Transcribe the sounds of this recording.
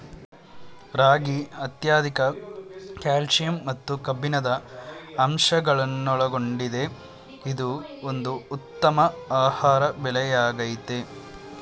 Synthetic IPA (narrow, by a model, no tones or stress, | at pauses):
ɾaːɡiɐt̪jaːd̪ʱikɐ | kaːlʂijɐmːɐt̪ːukɐbːinɐd̪ɐː | mʂɐɡɐɭɐnːɔɭɐɡo̞ɳɖid̪e̞ | id̪uond̪uːt̪ːɐmɐaːhaːɾɐbɛlɛjaːɡɐjit̪e